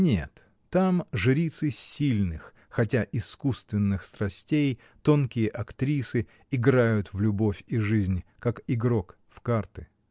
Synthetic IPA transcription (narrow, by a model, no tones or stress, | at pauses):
nʲḛt̪ː | amʐɨɾʲit̪sɨsʲilʲnɨx | xɐtʲaʔɪskust̪vʲɪnːɨxst̪ɾɐsʲtʲej | t̪o̞nkʲɪjəʔɐkt̪ɾʲisɨ | ɪɡɾajʊt̪vlʲʊbo̞fʲiʐɨzʲnʲkakɪɡɾok | fkart̪ɨ̥